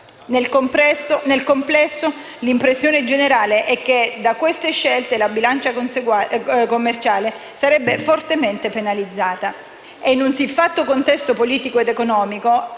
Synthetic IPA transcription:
nelkmpɛsnelkomplɛsːo | limpɾesːjoːned͡ʒeneɾaːleʔɛk̟ːed̪akwest̪eʃːelt̪elabilant͡ʃas | komːert͡ʃaːle | saɾɛbːefort̪ement̪epenalid̪zːaːt̪a | enːunsifːat̪ːokont̪ɛst̪opoliːt̪ikoed̪ekonɔːmiko

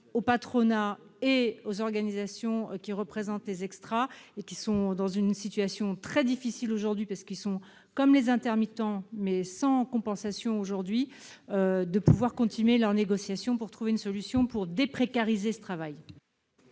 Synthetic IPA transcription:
opat̪χɔnaeozɔʁɡanizasjɔ̃kʲiʁəpχezɑ̃t̪lezɛkst̪χaekʲisɔ̃d̪ɑ̃zynsit̪ɥasjɔ̃t̪χɛd̪ifisiloʒuʁd̪ɥipaʁsə̥kilsɔ̃ | kɔmlezɛ̃t̪ɛʁmit̪ɑ̃mɛsɑ̃kɔ̃pɑ̃sasjɔ̃oʒuʁd̪ɥiød̪əpuvwaʁkɔ̃t̪ʰinɥelœʁneɡɔsjasjɔ̃puʁt̪χuveynsɔlysjɔ̃puʁd̪epχekaʁizesə̥t̪χavaj

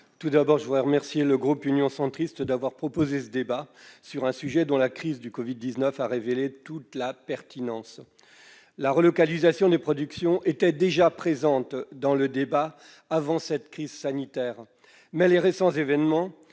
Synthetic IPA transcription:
t̪ud̪abɔʁʒəvud̪ʁɛʁəmɛʁsjeləɡʁupynjɔ̃sɑ̃t̪χist̪d̪avwaʁpχɔpozesəd̪ebasyʁɛ̃syʒɛd̪ɔ̃lakχizd̪ykɔvid̪̚ːiznœfaʁevelet̪ut̪lapɛʁt̪ʰinɑ̃s | laʁəlɔkalizasjɔ̃d̪epχɔd̪yksjɔ̃ʔet̪ɛd̪eʒapχezɑ̃t̪d̪ɑ̃ləd̪eba | avɑ̃sɛt̪kχizsanit̪ɛːʁ | mɛleʁesɑ̃zevɛnmɑ̃

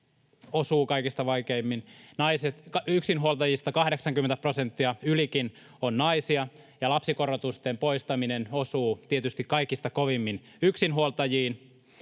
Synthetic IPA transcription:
osuːkɑikist̪ɑʋɑikeimːinnɑiset̪kɑyksinɦuolt̪ɑjist̪ɑkɑhɾeksɑŋkymːent̪æprosent̪ːiɑylikin | onnɑisiɑ | jɑlɑpsikorot̪ust̪empoist̪ɑminenosuːt̪iet̪yst̪ikkɑikːˑist̪ɑkoʋimːin | yksinɦuolt̪ɑjiːn

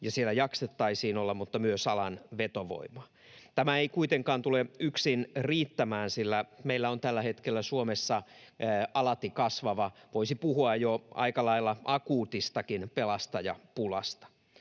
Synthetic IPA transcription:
jɑsielːˑæjɑkset̪ːɑisiːnolːɑmmut̪ːɑmyøsɑlɑnʋet̪oʋo̰imɑ̥ | t̪æmæeikuit̪eŋkɑːnt̪uleyksinriːt̪ːæmæːnsilːæmeilːæont̪ælːæhet̪kelːæsuomesːɑ | ɑlɑt̪ikɑsʋɑʋɑʋoisipuhuɑjjoʔɑ̰ikɑlɑilːɑʔɑkuːt̪ist̪ɑkinpelɑst̪ɑjɑ̰pulɑ̰st̪ɑ̥

